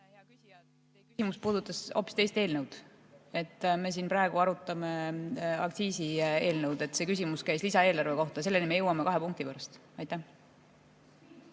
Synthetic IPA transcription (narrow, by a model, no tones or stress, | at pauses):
ɑkysi | kyimuspuːd̪̥ut̪ːˑɑso̞̰pːˑi̥st̪e̞jst̪e̞ːlnəwd̪̥ | e̞t̪ːˑme̞s̬iːnprɑeɡuɑɾut̪ːˑɑmeɑ̰kt̪siːsie̞ːlnəwd̪e̞t̪se̞ːkysimuskæjslisɑeːlɑrve̞ko̞ht̪ɑse̞lːenime̞jɤwːɑmekɑɦe̞puŋk̚t̪ipøɾɑst̪ | ɑjt̪ːˑæh